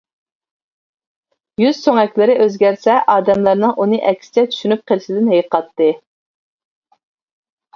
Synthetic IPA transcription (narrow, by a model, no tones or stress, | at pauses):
jyz̥soŋɛkʲlɪɾɪʔøzɡʲɛæɾsɛʔɑːd̪ɛmlˠɑɾnɨŋʔunɨʔɛkʲsɪ̥t͡ʃʰɛt͡ʃ̪ʰy̥ʃynyp̚qʰəlˠɪʃɪd̪ɪnɦejqʰɑt̪ːɨ